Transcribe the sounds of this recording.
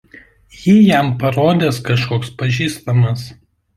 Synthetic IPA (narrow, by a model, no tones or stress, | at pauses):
jiːjɛmpɐɾoːd̪ʲeːskɐʃkoːkspɐʒʲiːst̪ɐmɐs